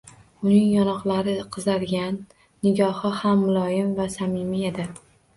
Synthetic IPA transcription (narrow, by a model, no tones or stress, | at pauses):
ʊnɪŋjɒnɒqlˠaɾɪqʰɨzaɾɡʲanː | ɪɡʲɒhɨhamːʊlˠɒjɪmvasamɪmijad̪a